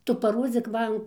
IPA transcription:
ˈtʊ pɐˈroːd͡zʲiːk ˈmɐn

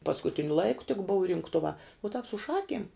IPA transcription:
pɐskʊˈtʲɪnʲʊ ˈlˠɐɪkʊ tʲɪk bʊw rʲɪŋkˈtʊʋɑː ʊ tɑːp sʊ ˈʃɑːkʲiɛm

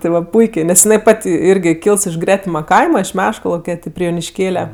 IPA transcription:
tʲɪ ˈʋɐ ˈpʊɪkʲeː nʲɛs jɪˈnɐɪ ˈpɐtʲ ˈɪrʲɡʲɪ ˈkʲiːlˠs ɪʃ ˈɡrʲæːtʲɪmɐ ˈkɐɪmɐ ɪʃ ˈmʲæːʃkɐlˠɐʊkʲɛ ˈtʲɪ pʲrʲɪ joːnʲɪʃʲˈkʲeːlʲɛ

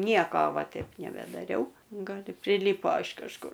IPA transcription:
ˈnʲiɛkoː ˈʋɐ ˈtʲɛɪp nʲɛbʲɛdɐˈrʲɛʊ ɡɐlˠ ɪ pʲrʲɪˈlʲiːpoː ɪʃ kɐʃˈkʊr

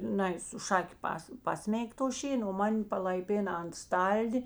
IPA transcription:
ˈnɐɪ sʊ ˈʃɑːkʲɪ ˈpɐs ˈpɑːsʲmʲɛɪk toː ˈʃʲeːnoː oː ˈmɐnʲ pɐlˠɐɪˈpʲeːnɐ ɐnt ˈstɐlʲdʲɪ

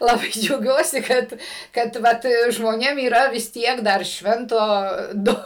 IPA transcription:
lˠɐˈbɐɪ d͡ʒʲɛʊˈɡʲuɔsʲɪ ˈkɐt kɐt ˈʋɐt ʒmoːˈnʲeːm iːˈrɐ ʋʲɪs ˈtʲiɛk dɐr ˈʃʲʋʲɛntoː ˈdʊ

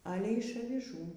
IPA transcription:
ˈɑːlʲeː ɪʃ ɐʋʲɪˈʒuː

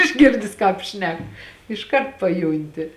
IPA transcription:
ɪʒʲˈɡʲɪrʲdʲɪs ˈkɑːp ˈʃʲnʲɛk ɪʃˈkɐrt pɐˈjuːnʲtʲɪ

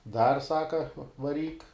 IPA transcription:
dɐr ˈsɑːkɐ ʋɐˈrʲiːk

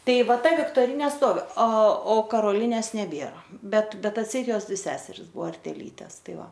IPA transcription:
ˈtɐɪ ˈʋɐ ˈtɐ ʋʲɪktoːˈrʲɪnʲeː ˈstoːʋʲɪ ɐ oː kɐroːˈlʲɪnʲeːs nʲɛˈbʲiɛrɐ ˈbʲɛt ˈbʲɛt ɐtʲˈsʲɛɪt ˈjoːs ˈsʲæːsʲɛrʲɪs ˈbuɔ ɐrʲtʲɛˈiːtʲɛs ˈtɐɪ ˈʋɐ

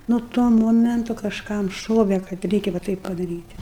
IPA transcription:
nʊ ˈtuɔ ˈmoːmʲɛntʊ kɐʃˈkɐm ˈʃoːʋʲɛ kɐt ˈrʲɛɪkʲɛ ʋɐ ˈtɐɪp pɐdɐrʲiːtʲ

